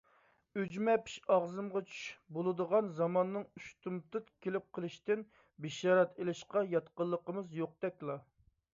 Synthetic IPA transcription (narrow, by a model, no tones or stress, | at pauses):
yd͡ʒmɛpʰi̥ʃɑʁzɨmʁɑt͡ʃʰy̥ʃbolˠɨd̪əʁɑnzɑmɑnːɨŋyʃt̪ʰumt̪ɨt̪kʲʰelɪp̚qʰəlˠɨʃt̪ɪn | bɪʃɑːɾɑt̪ʰelɪʃqɑjɑt̪qəlˠːəqəmɨzjoq̚d̪̥ɛkʲlˠɑ